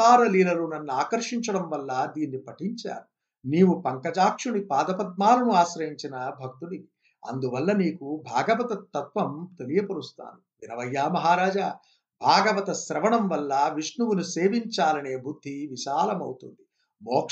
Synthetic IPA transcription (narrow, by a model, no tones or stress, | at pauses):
aːɾɐliːlɐlunɐnːuaːkɐɾʂiɲt͡ʃɐɽɐmʋɐlːɐd̪iːnːipɐʈiɲt͡ʃa̰ːɾu | niːʋupɐŋkɐd͡ʒaːkʂunipaːd̪ɐpɐt̪̚maːlɐnuaːʃɾɐjiɲt͡ʃinɐbʱɐk̚t̪uni | ɐ̰nd̪uʋɐlːɐniːkubʱaːɡɐʋɐt̪ɐt̪ːɐt̪ʋɐmt̪e̞lijɐpɐɾust̪a̰ːnuʋinɐʋɐjːaːmɐɦaːɾaːd͡ʒa | bʱaːɡɐʋɐt̪ɐsɾɐʋɐɳɐmʋɐlːɐʋiʂnuʋunuse̞ːʋiɲt͡ʃaːlɐne̞ːbʱud̪ʱːiʋiʃaːlɐmɐ̰wt̪ṵnd̪i | bɔːk